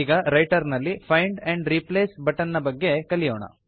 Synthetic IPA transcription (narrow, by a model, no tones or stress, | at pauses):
ɡɐɾɐjʈɐɾnɐlːipʰɐjɳɖeɳɖɾipleːsbɐʈɐnːɐbɐɡːe̞kɐlijoːɳɐ̰